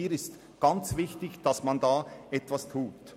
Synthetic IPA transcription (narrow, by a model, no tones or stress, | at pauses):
iːɾɪst | ɡ̥ɑnt͡svɪçtɪçd̥ɑsmandaːʔɛtv̥astʰuːt